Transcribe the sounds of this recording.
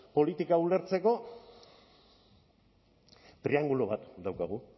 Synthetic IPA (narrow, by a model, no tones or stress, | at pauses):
po̞lit̪ikaule̞ɾt͡se̞ko̞ | t̪ɾiaŋɡuloβat̪d̪awkaɣ̞u